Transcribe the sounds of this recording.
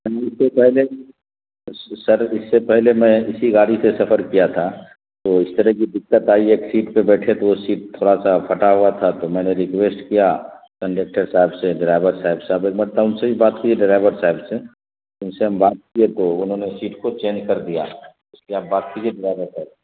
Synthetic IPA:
mɛːɪsːepɛɦle | sɐɾɪsːepɛɦlemɛ̃ɪsiɡaːɽisesɐpʰəɾkijat̪ʰa | t̪oɪst̪əɾəɦkid̪ɪkːət̪aːieːksiːʈpebɛːʈʰet̪oosiːʈ̚t̪ʰːoːɽasapʰɐʈaɦuat̪ʰat̪omɛ̃ːneɾɪkweːsʈkija | kɐ̃ɳɖeːk̚ʈəɾsaːɦɪbseɖɪɾaːɪʋəɾsaːɪbseɐbeːk̚mɐt̪ːaʊnsebʱibaːt̪kieɖɪɾaːɪbəɾsaːɦɪbse | ʊnseɦɐmbaːt̪̚kiet̪oʊnɦõnesiːʈkot͡ʃẽːnd͡ʒkɐɾd̪ija̰ | ʊskeaːp̚baːt̪̚kid͡ʒieɖɪɾaːɪbəɾsaːɦɪbe

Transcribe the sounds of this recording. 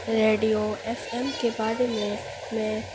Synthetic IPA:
ɾeːɖijoeːfemkebaːd̪mẽ | mɛ̃ː

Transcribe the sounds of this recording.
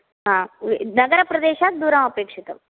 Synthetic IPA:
ɦãinəɡəɾapɾɐd̪eɕak̚d̪uɾãəpekʂit̪ə

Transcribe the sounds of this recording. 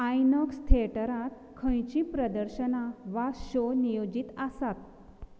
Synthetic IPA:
ajnəkst̪ʰeʈəɾãt̪̚ | kʰə̃jt͡ɕĩpɾəd̪əɾɕənaʋaɕonijod͡ʑit̪asat̪̚

